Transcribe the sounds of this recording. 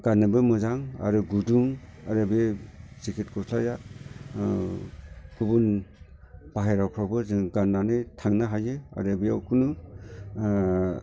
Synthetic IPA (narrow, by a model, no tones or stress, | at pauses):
ɡ̥anːɯbɯmɯzaŋa̰ɾuɡuduŋaɾɯbesikʰitkʰɔslaja | ɡ̥ubun | b̥aɦajɾawkʰɾabɯzɯŋɡanːanɯjtʰaŋnaɦajea̰ɾebiawkʰunu